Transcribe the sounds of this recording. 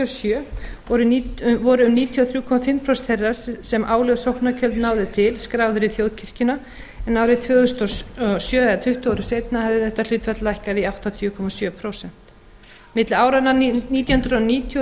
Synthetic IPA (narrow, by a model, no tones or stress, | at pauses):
sjœːɔɾʏvɔɾʏʏmniːt̪ʰiɔθɾjuːkʰɔmafɪmːpʰɾɔst̪ʰɛrassɛmʔaːwlœɣsowhknacʰœlt̪naːwðɪt̪ʰɪlskɾaːwðʏɾiθjowðcʰɪr̥cɪna | ɛnawɾɪt̪ʰvœːʏst̪ɔsjœːðɛat̪ʰʏht̪ʏawɾʏseːjt̪nahavðɪθɛht̪ːal̥ʏːt̪vfat̪lajhkaðiawht̪at̪ʰjʏkʰɔmasjœːpʰɾowsɛn̥t̪ | mɪt̪laːwɾananiːt̪jahʏnɾʏðɔniːt̪ʰj